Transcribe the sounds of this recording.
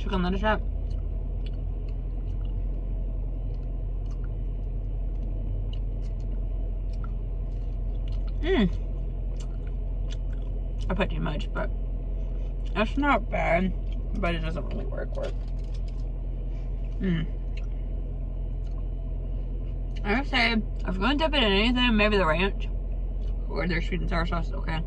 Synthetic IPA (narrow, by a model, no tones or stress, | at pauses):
t͡ʃʰʊkn̩lˠɪ̃ndə˞t͡ʃæp̚ | m̩ | aɪpʰʌt͡ʃɨmʌt͡ʃb̥ʌt̚ | ðætsnət̚b̥æd̚ | b̥ʌɾɨt̚d̥ʌzə̃nʔ̚ɹɪ̰lˠḭwɜ̰˞kwəθ | m̩ | aɪhæftseɪ | ʔaɪvɡõntɪpɨɾɨ̃nɛniθɪ̃ŋmeɪbiðəɹæ̃nt͡ʃ | ə˞ðə˞sɹiʔn̩tʰaɪəsɑszo̰ʊkʰeɪ